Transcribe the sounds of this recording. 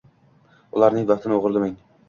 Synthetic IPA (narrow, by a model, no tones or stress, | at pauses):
ʊlˠaɾnɪŋvaχt̪ʰɪnɪoʁɨɾlɪmaŋ